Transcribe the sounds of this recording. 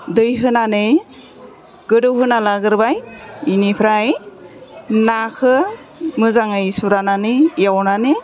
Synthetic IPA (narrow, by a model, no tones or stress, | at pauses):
dɯjɦɯnanɯj | ɡ̥ɯdɯwɦɯnalaɡɯɾbajinipʰɾaj | nakʰɯ | mɯzaŋɯjsuɾananɯjawnanɯ